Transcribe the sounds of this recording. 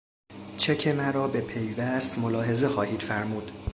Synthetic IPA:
t͡ʃʰecʰemæɾɒːbe̞pʰejvæst̪molɒːɦe̞ze̞xɒːhiːd̪̥fæɾmuːd̪̥

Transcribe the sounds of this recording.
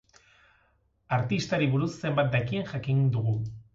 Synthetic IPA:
aɾt̪ist̪aɾiβuɾusːe̞mbat̪̚d̪akienʝakind̪uɣu

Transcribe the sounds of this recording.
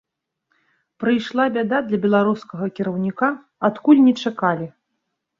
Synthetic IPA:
pɾɨjʂlˠabʲad̪ad̪lʲɐbʲɛlˠaɾuskɐɣɐkʲiɾɐwnʲika | at̪kulʲnʲɛt͡ʂakalʲi

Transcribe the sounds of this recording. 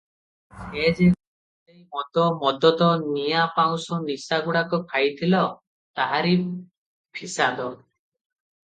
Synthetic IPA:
ed͡ʒe | ejmɔt̪ɔmɔd̪ɔt̪ɔnijapaw̃sɔnisaɡuɽakɔkʰajt̪ʰilɔ | t̪aɦaɾi | pʰisad̪ɔ

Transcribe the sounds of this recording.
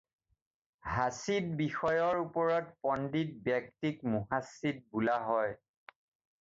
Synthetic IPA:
hasit̚bixɔjɔɹupɔɹɔtpɔndit̚bɛk̚tikmuɦasit̚bulaɦɔj

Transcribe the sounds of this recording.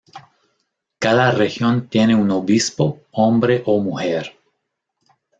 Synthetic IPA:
kaðarexjont̪jeneunoβispoombɾeʔomuxeɾ

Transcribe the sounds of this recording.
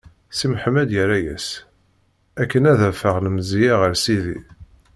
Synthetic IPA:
simħmæd̪jəɾæjæ̰s | ækːənæðæfəʁləmzijaʁəɾsiðḭ

